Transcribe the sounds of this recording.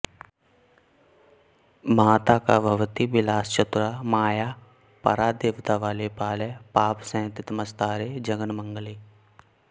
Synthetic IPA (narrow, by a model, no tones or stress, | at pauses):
maːt̪akabʱɐʋt̪ibɪlaːst͡ʃət̪ɾamaːjaː | pɐ̰ɾaːd̪eːʋt̪aʋaːlepaːlepaːpsə̃ːt̪ɪt̪məst̪aːɾed͡ʒɐɡənmə̃ŋɡəliː